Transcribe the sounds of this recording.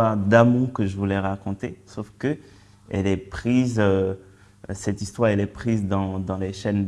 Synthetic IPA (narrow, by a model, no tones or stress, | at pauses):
aʁd̪amɔ̃kəʒəvulɛʁakɔ̃t̪esofkə | ɛ̰lɛpχizø | sɛt̪ist̪waʁɛlɛpχizd̪ɑ̃d̪ɑ̃leʃɛn